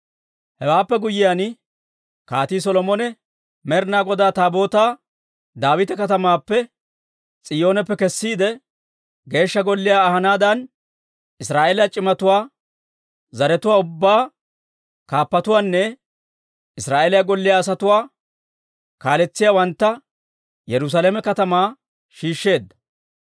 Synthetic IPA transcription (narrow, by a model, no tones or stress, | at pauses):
hɛwaːpːɛɡʊjɪjaːn | kaːt̪iːs̬ɔlɔmɔnɛ | mɛɾnaːɡɔd̪aːt̪aːbo̞ːt̪aː | d̪aːwɪt̪ɛkɐt̪ɐmaːpːɛ | t͡sʼɪjo̞ːnɛpːɛkɛsːiːd̪ɛ | ɡe̞ːʃːɐɡɔlːɪjaːɦɐnaːd̪ɐn | ɪsɾaːʔeːljat͡ʃʼɪmɐt̪ʊwaː | zɐɾɛt̪ʊwaːʊbːaː | kaːpːɐt̪ʊwaːnːɛ | ɪsɾaːʔeːlɪjaɡɔlːɪjaːs̬ɐt̪ʊwaː | kaːlɛt͡sːɪjaːwɐnt̪ːɐ | jɛɾʊs̬alɛːmɛkɐt̪ɐmaː | ʃiːʃːe̞ːd̪ːɐ̥